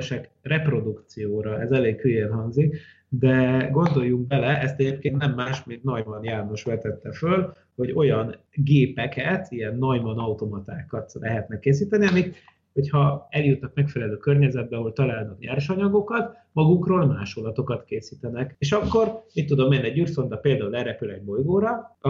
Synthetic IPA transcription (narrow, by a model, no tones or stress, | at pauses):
ʃɛkrɛpro̞d̪ukt̪sijoːɾɒɛzɛleːkhyːjenɦɒŋzik | d̪ɛɡo̞nd̪o̞jːuŋɡ̚bɛlɛʔɛst̪ɛɟeːp̚keːnt̪nɛmːaːʃmeːɡnɒjmɒnjaːno̞ʃʋɛt̪ɛt̪ːɛføl | ho̞ɟo̞jɒn | ɡeːpɛkɛt̪ʰijɛnːɒjmɒnɒut̪o̞mɒt̪aːkɒt̪lɛ̰ɦɛt̪nɛkːeːsiːt̪ɛniɒmit̪ | ho̞chɒɛljut̪nɒkmɛkfɛlɛløːkørɲɛzɛd̪̚bɛɒɦo̞lt̪ɒlaːlnɒkɲɛ̰rʃɒɲɒɡo̞kɒt̪ | mɒɡukroːlmaːʃolɒt̪o̞kɒt̪keːsiːt̪ɛnɛkeːʃɒkːo̞rmit̪ːud̪o̞mːenːiɛɟyrso̞nd̪ɒpeːld̪aːulɛɾɛpylɛɟbo̞jɡoːɾɒ